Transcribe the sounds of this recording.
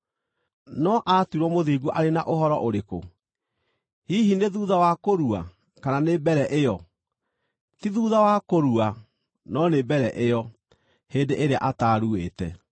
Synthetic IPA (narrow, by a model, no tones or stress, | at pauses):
nɔʔatuɾwɔmoðiːɡuʔaɾenaʔoɦɔɾɔʔoɾeko | hiːɦineðuːðawakoɾua̰ | kananebɛɾɛʔejɔ | tiðuːðawakoɾua | nɔnebɛɾɛʔejɔ | heːndeʔeɾea̰ʔataːɾueːtɛ